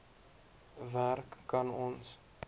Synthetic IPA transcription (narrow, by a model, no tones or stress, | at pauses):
værkːɐnɔns